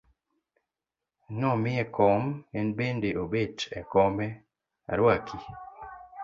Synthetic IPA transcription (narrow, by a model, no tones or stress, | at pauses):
nɔmɪɛkɔmɛnbendeʔobet͡ʃɛ̰kɔmɛ | a̰ɾwakʰi